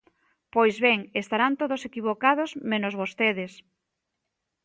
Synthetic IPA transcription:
pojzβeŋest̪aɾant̪oðosekiβ̞okað̞ozmẽnozβost̪eðes

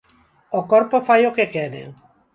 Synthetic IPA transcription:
okoɾpofajokekeɾḛŋ

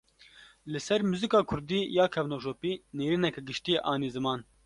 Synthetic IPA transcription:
lɨsɛɾmuzikɑːkʰʊɾd̪iːjɑːkʰɛvnoːʃoːpiːneːɾiːnɛkɛɡɨʃt̪iːeʔɑːnizɨmɑːn

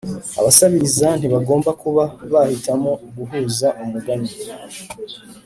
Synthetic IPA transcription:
a̰βasaβiɾizan̥iβaɡo̞ːmbakuβaβahitamo̞ɡuɦuːzaʔumuɡaɲe

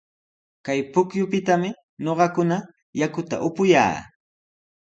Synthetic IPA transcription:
kajpʊkjʊpɪt̪amɪ | ɲoɢɑkʊna | jakʊt̪a̰ʔʊpʊja̰ː

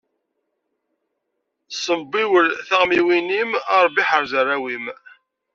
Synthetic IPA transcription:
sˤəbːiwəlθaʁmiwinimɑɾˤbiħəɾzərˤːæwim

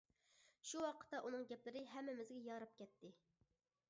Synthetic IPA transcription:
ʃuwɑqʰə̥t̪ːɛʔunɨŋɡʲɛplɪɾɪɦɛmːɪmɪzɡʲɛjɑɾɨp̚kʲɛt̪ːɪ

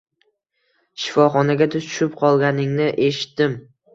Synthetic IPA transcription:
ʃɪ̥fɒχɒnaɡʲat̪ʰʊzt͡ʃʰʊ̥ʃɪp̚qʰɒlˠɡʲanɪŋnɪʔe̞ʃɪ̥t̪ːɪm

